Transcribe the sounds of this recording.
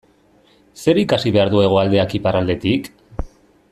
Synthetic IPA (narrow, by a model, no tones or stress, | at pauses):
se̞ɾikasiβe̞aɾðue̞ɣ̞oald̪e̞akiparald̪e̞t̪ik